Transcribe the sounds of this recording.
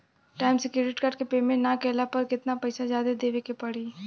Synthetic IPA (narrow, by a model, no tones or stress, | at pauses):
ʈaːɪmsɪkɾeɾɪʈkaːɾɖkepeːmẽʈnakɛːlapɐɾkɪt̪napɐɪsazjaːd̪ed̪eːʋekepɐɽiː